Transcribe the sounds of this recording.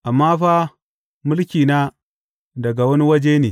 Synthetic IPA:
ʔa˨mːa˦ɸa˦ | mu˦lkʲi˨na˦ | da˨ɡa˨wa˦ni˦wa˦d͡ʒe˦ni˨

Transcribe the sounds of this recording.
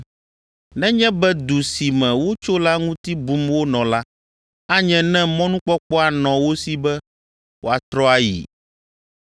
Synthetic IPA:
nɛ̃˦ɲɛ̃˦bɛ˦d̪u˨si˨mɛ̃˨wo˦t͡ʃo˦la˦ŋũ˦t̪i˦bu˦mwo˦nɔ̃˨la˦ | a˦ɲɛ̃˦nɛ̃˦mɔ̃˦nũ˦k͡pɔ˦k͡pɔ˦a˨nɔ̃˨wo˦si˨bɛ˦ | wo˨a˨t̪ɾɔ˦a˦jḭ˨

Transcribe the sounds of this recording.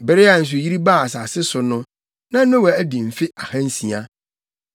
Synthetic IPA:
bɛ˨ɾɪ˦a˨n̩˨s̬ʊ˨ji˦ɾi˦baː˦˨a˨s̬a˨sɪ˦sʊ˨nʊ̃˦ | nã˦nʊ̃˦wa˨æ˦di˨m̩˨fɪ˦ʔa˨hã˦n˦sĩ˨a˦

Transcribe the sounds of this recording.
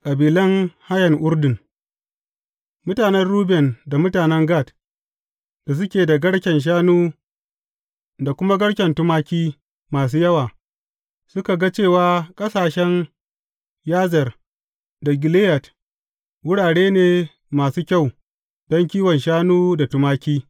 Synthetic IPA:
kʼɐ˨biː˨lɐ˦ŋha˦jɐ˨ŋʔʊ˦ɾdɪ˨ŋ | mʊ˦taː˨nɛ˦rɽuː˦bɛ˨nda˨mʊ˦taː˨nɛ˦ŋɡaː˦˨t | d̥a˨s̬ʊ˦kʲeː˨da˨ɡɐ˦ɽkʲɛ˨nʃ̬aː˦nuː˦ | da˨kʷʊ˦ma˦ɡɐ˦ɽkʲɛ˨ntʊ˦maː˦kʲiː˦ | maː˨s̬uː˦jɐ˦waː˨ | sʊ˦ka˨ɡa˦t͡ʃeː˦˨waː˦kʼɐ˦saː˨ʃɛ˦n | jaː˦zɐ˨r | da˨ɡʲɪ˨leː˦jɐ˨t | wʊ˦ɽaː˨ɽeː˦neː˨ | maː˨suː˦kʲa˦˨w | dɔ˦ŋkʲiː˦wɔ˨nʃaː˦nuː˦da˨tʊ˦maː˦kʲiː˦

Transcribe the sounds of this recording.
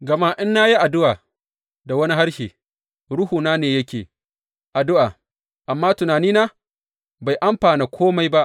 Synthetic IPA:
ɡɐ˨maː˦ʔɪ˦nːa˦ji˦ʔa˨dʊ˦ʔaː˨ | da˨wɐ˦ni˦ɦa˦ɽʃeː˨ | ɽʊ˦huː˨naː˦neː˨jɐ˦kʲḛː˨ | ʔa˨dʊ˦ʔaː˨ | ʔa˨mːaː˦tʊ˨naː˨niː˦naː˦ | ba˨jʔa˦mɸaː˨neː˨kʷʰoː˦ma˦jba˦ʔ

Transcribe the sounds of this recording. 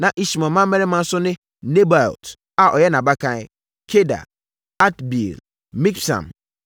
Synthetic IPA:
nã˨ʔi˦ɕi˨mã˨mã˦m˦mɛ˦ɾɪ˦mã˦n̩˦sʊ˦nɪ̃˦ | ne˦ba̰˨lt | a˨ʔɔ˨jɛ˦nã˨ba˦kʰã˦ | kʰe˦da̰˨ | a˦tbḭ˨l | mĩ˦ksã̰˨m

